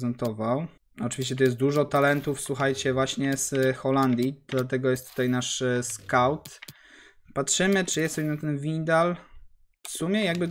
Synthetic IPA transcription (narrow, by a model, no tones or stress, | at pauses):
zɛnt̪ɔvaw | ɔt͡ʂɨvʲiɕ̬t͡ɕɛt̪ɔjɛst̪̚d̪uʐɔt̪alɛnt̪ufswuxajt͡ɕɛvwaɕɲɛsxɔland̪ʲjid̪lat̪ɛɡɔjɛst̪ːu̥t̪ajnaʂskawt̪ | patʂɘmɘt͡ʂɘjɛst̪sɔbʲjɛnat̪ɛnvʲiɲd̪al | fsumʲjɛjaɡbɘ